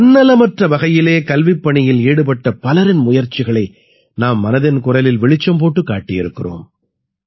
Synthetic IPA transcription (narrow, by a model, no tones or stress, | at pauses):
ɐnːɐlɐmɐʈrɐʋɐɣɐjɪleːkɐlʋɪpːɐɳɪjɪleːɽɯpɐʈːɐpɐlɐɾɪnmʊjɐɾt͡ʃɪɣɐɭɐɪ | naːmːɐnɐðɪnkʊrɐlɪlʋɛɭɪt͡ʃːɐmp̬oːʈːɯkːaːʈːɪjɪɾɯkːɪro̰ːm